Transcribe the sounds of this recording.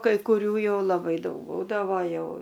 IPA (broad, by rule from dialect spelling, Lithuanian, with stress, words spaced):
kɐɪ kʊˈrʲuː ˈjɛʊ lˠɐˈbɐɪ ˈdɐʊk ˈbuːdɐʋoː ˈjɛʊ